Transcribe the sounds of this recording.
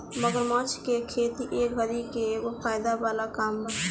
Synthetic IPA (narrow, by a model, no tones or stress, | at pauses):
məɡəɾmɔ̃ːt͡ʃkekʰeːt̪iʔeːkbʱəɾikeopʰaːjd̪abaːlakaːmbə